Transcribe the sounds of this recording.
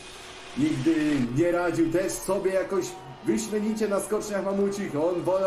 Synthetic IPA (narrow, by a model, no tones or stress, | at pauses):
ɲiɡd̪ɘɲɛɾad͡ʑiwt̪ɛʂsɔbʲjɛjakɔʑ | vɘɕmʲjɛɲit͡ɕɛnaskɔt͡ʂɲaxmamut͡ɕixɔnvɔ